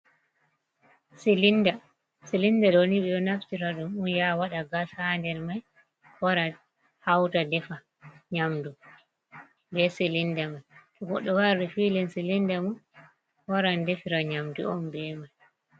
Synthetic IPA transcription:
silinda | silindaɗoniɓɛɗɔnaftiɾaɗumunjawaɗaɡasandɛɾmaj | waɾa | hawtadɛfa | ɲamdu | bɛsilindamajkɔɡɔɗːɔwaɾdifiːlɛnsilindamun | waɾandefiɾaɲamdṵɔmbɛmaj

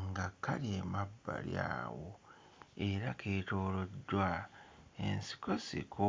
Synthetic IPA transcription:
ŋɡakːaliemabːa̰lja̰ːwo | eɾakʰe̞ːto̞ːlo̞dːwa | ensi̥kosḭkʰo

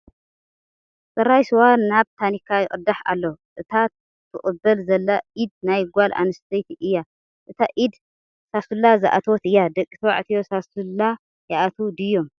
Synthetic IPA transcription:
sʼɐrːajsɨwaːaβt̪ʰanikʰːajɪkʼɨd̪ːaħa̰lːoʔɨt̪ʰa | t̪ʰɨχʼɨbɐlzɐlːaid̪najɡʷalʔa̰nɨst̪ʰejt̪ʰiʔɨjːa | ʔɨt̪ʰaʔid̪ | sasulːazaʔa̰t̪ʰot̪ɨjːad̪ɐkʼːi̥t̪ʰɨwa̰ʕt̪ʰijo̞sasulːa | jaʔat̪ʰud̪ɨjːo̞m

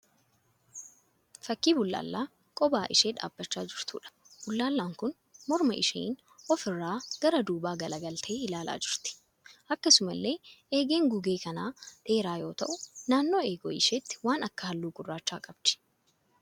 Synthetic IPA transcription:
fɐkːiːbʊlːa̰ːlːaː | kʼɔbaːʔɪʃeːᶑa̰ːbːɐt͡ʃːaːd͡ʒɪɾt̪ṵːᶑɐ̥ | b̥ʊlːaːlːaːŋkʊn | mɔɾmɐʔɪʃḛːn | ʔɔfɪrːaːɡ̥ɐɾɐd̪uːbaːɡɐlɐɡɐlt̪ʰe̞ːɪlaːlʔa̰ːd͡ʒɪɾt̪ɪ̥ | ʔɐkːɐsʊmɐlːe̞ːʔeːɡeːŋɡʊɡe̞ːkɐnaːᶑe̞ːɾaːjo̞ːt̪ɐ̰ʔʊnaːnːo̞ːe̞ːɡɔ̰ːʔɪʃeːt̪ːɪ̥waːnɐkːɐhɐlːuːɡʊrːaːt͡ʃːa̰ːkʼɐbt͡ʃɪ̥

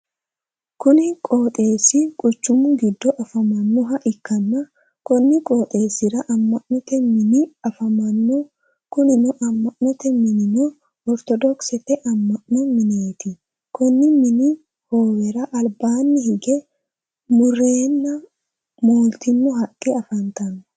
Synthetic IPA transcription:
kʊnɪkʼoːt̪ʼe̞ːsɪkʼʊt͡ʃːʊmʊɡɪd̪ːɔʔɐfɐmɐnːɔɦɐʔɪkːɐnːɐ | kɔnːɪkʼoːt̪ʼe̞ːsɪɾɐʔɐmːɐʔnɔt̪ɛmɪnɪɐfɐmɐnːɔ | kʊnɪnɔʔɐmːɐʔnɔt̪ɛmɪnɪnɔ | ɔɾt̪ɔd̪ɔksɛt̪ɛʔɐmːɐʔnɔmɪneːt̪ɪ | kɔnːɪmɪnɪ | hoːwɛɾɐʔɐlbaːnːɪhɪɡɛ | mʊrːe̞ːnːɐ | moːlt̪ɪnːɔɦɐkʼːɛɐfɐnt̪ɐnːɔ

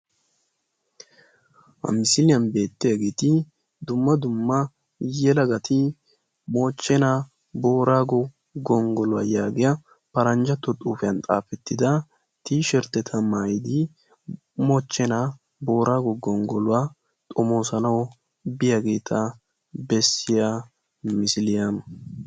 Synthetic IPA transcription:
hɐ̰mɪsɪlɪjɐnbe̞ːt̪ːɪjaɡeːt̪ɪ | d̪ʊmːɐd̪ʊmːɐ | jɛlɐɡɐt̪ʰɪ | moːt͡ʃːɛna | bo̞ːɾaːɡɔ | ɡɔŋɡɔlʊwa̰ːjaːɡɪjɐ | pɐɾɐnd͡ʒɐt̪ːɔt̪ʼuːfɛjɐnt̪ʼa̰ːfɛt̪ːɪd̪ɐ | t̪iːʃɛɾt̪ːɛt̪ʰɐmajd̪ɪ | mɔt͡ʃːɛna | bo̞ːɾaːɡɔɡɔŋɡɔlʊwaː | t̪ʼɔmo̞ːsɐnɐw | bɪjaɡe̞ːt̪ʰɐ | bɛsːɪja | mɪsɪlɪjɐn

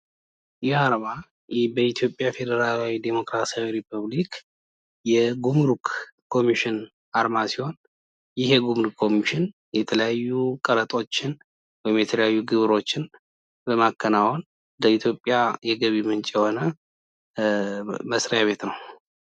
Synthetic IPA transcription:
jɪaɾma | bəit̪ʰjo̞pʼːjafe̞d̪əɾalawid̪emo̞kɾasawiɾipʰəβlik | jɛɡumɾukkʰːo̞miʃɪn | aɾmasiho̞n | jɪhɛɡumɾukʰːo̞miʃɪn | jɛt̪ʰələjajːukʼəɾət̪ʼo̞t͡ʃːɪn | wɔjɪmjɛt̪ʰələjajːuɡɨβɾo̞t͡ʃːɪn | bəmakːənawon | d̪əit̪ʰjo̞pʼːjajɛɡəβimɨnt͡ʃʼjɛho̞nə | məsɾəjaβe̞t̪nəw

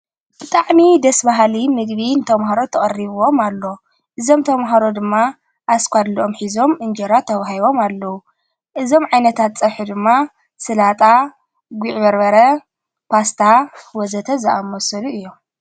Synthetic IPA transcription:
b̥ɨt̪ʼaʕmid̪ɐsbaɦlimɨɡβint̪ʰɐmɦaɾo̞t̪ʰɐχʼɐriβɨwo̞malːo̞ | ʔɨzo̞mt̪ʰɐmɦaɾod̪ɨmːa | ʔaskʷad̪liʔo̞mħizo̞mʔɨnd͡ʒɐɾat̪ʰɐβaɦiβo̞malːɐwu | ʔɨzo̞mʕajnɐt̪ʰat̪t͡sʼɐβħud̪ɨmːa | sɨlat̪ʼa | ɡʷiʕβɐɾβɐɾɐ | pʰast̪ʰawɔzɐt̪ʰɐzɨʔamosɐluʔɨjːo̞m

